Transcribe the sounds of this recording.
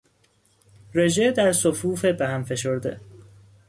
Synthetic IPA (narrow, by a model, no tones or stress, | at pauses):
ɾe̞ʒed̪æɾsofuːfebehæmfe̞ʃoɾd̪ḛ